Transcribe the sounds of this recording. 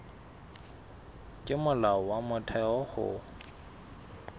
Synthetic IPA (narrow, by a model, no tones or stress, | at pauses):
kʼɪmʊlaɔwamʊtʰɛɔhʊ̰